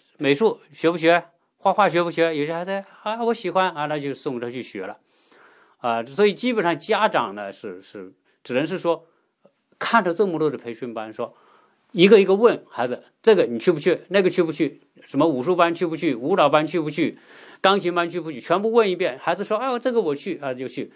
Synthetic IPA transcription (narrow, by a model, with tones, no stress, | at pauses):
me˨˩ɪʂu˥˩ɕɥɛ˧˥pu˥˩ɕɥɛ˧˥ | xwa˥˧xwa˥˩ɕɥɛ˧˥pu˥˩ɕɥɛ˧˥jo˨ʊɕɛ˥xa˧˥ɪz̩˧˥ | a˥wɔ˧˥ɕi˨˧˥xwa˥na˥˧na˥˩t͡ɕjo˥˧ʊ˧sʊ˥˩˧ŋ˧tʰa˥t͡ɕʰy˥˩ɕɥɛ̰˧˥lə̰˧ | a˥˧swɔ˧˥i˨˩t͡ɕi˥pə˨˩nʂɑ˥˩ŋt͡ɕja˥ʈ͡ʂɑ̰˨˩ŋnə˦ʂɻ̩˥˧ʂɻ̩˥˩ | ʈ͡ʂɻ̩˨˩nə˧˥ŋʂ̬ɻ̩˥˩ʂwɔ˥ | kʰa˥˩nt̪ʰt͡sɤ˥˩mə˧lwɔ˥˩d̪ə˩pʰe˧˥ɪɕɥi˥˧npa˥nʂwɔ˥ | i˧˥ɡə˧i˧˥ɡə˧wə˥˩nxa˧˥ɪd͡zɹ̩˧ | ʈ͡ʂɤ˥˩ɡə˩ni˨˩t͡ɕʰy˥˩pu˧˥t͡ɕʰy˥˩na˥˩ɡə˩t͡ɕʰy˥˩pu˧˥t͡ɕʰy˥˩ | ʂə˧˥nmə˧u˨˩ʂu˥˧pa˥nt͡ɕʰy˥˩pu˧˥t͡ɕʰy˥˩u˧˥lɑ˨˩ʊpa˥nt͡ɕʰy˥˧pu˧˥t͡ɕʰy˥˩ | kɑ˥ŋt͡ɕʰi˧˥ŋpa˥nt͡ɕʰy˥˩pu˧˥t͡ɕʰy˥˩t͡ɕʰɥɛ˧˥npu˥˧wə˥˧ni˥˧pjɛ˥˩nxa˧˥ɪd͡zɹ̩˧ʂwɔ˥a˥ɪ˧˦ʈ͡ʂɤ˥˩ɡə˩wɔ˨˩t͡ɕʰy˥˩xa˥d͡z̩˧˨˧t͡ɕjo˥˧ʊt͡ɕʰy˥˩